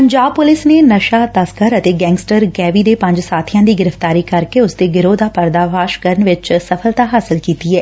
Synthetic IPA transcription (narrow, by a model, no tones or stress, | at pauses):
pəɲd͡ʒaːb̚pʊlɪsneːnəʃaːt̪əskəɾət̪eːɡɛ̃ːŋɡsʈəɾɡɛːʋiːd̪eːpə̃ɲd͡ʒsaːt̪ʰijãːd̪iːɡɪɾəft̪aːɾiːkəɾkeʊsd̪eːɡɪɾoːd̪aːpəɾd̪aːʋaːʃkəɾənʋɪt͡ʃsəfʰəlt̪aːɦaːsɪlkiːt̪iːɦɛː